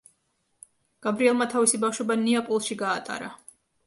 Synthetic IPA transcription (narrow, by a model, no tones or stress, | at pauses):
ɡ̥abɾiɛlˠmat̪ʰavisibafʃwɛbaniapʼɔlˠʃiɡaːt̪ʼa̰ɾa